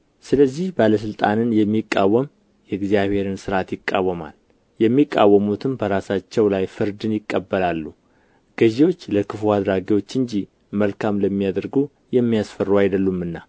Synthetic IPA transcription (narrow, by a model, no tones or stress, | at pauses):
sɨləzːihbaləs̬ɨlt̪ʼanɨnjɛmːikʼːawːəm | jɛɨɡzijaβhe̞ɾɨnsɨɾat̪jɪkʼːawːəma̰l | jɛmːikʼːa̰wːəmut̪ʰɨmbəɾasat͡ʃːɛwlajfɨɾd̪ɨnjɪkʼːəbːəlalːu | ɡ̥əʒiwo̞t͡ʃːləkʰɨfuad̪ɾaɡiwo̞t͡ʃːɨɲd͡ʒi | məlkʰamləmːijad̪əɾɡu | jɛmːijasfərːuajd̪əlːumːɨnːa